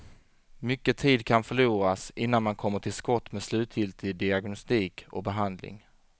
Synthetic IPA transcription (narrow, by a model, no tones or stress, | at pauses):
mʏkːət̪ʰiːd̪kʰanfœɭuːɾasɪnːanmankʰɔmːəʈʰɪlskɔt̪ːmeːslʉ̟ːt̪ʰjɪlt̪ɪd̪ɪaɡnɔst̪iːkɔ̰bɛɦand̪lɪ̰ŋ